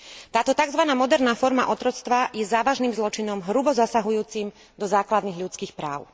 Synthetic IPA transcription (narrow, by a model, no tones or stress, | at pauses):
t̪aːt̪ɔt̪aɡzʋanaːmɔd̪ɛɾnaːfɔɾma̰ʔɔt̪ɾɔt͡st̪ʋajɛzaːʋaʒniːmzlɔt͡ʃinɔmɦɾubɔzasaɦujuːt͡sim | d̪ɔzaːklad̪niɣʎut͡skiːxpɾa̰ːʊ